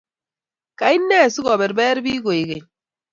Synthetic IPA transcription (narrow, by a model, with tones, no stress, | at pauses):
ka˨i˦nːɛ˦˨su˦ɡɔ˨be˨ɾbɛ˦ɾbiː˦ɡo˨i˨ɡe˨